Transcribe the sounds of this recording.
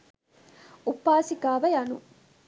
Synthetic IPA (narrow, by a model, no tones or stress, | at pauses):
upːaːsikaːʋɐjɐnṵ